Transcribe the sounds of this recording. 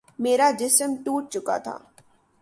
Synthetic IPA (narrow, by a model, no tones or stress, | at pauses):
meːɾad͡ʒɪsəmʈuːʈ̚t͡ʃʊka̰t̪ʰa̰ː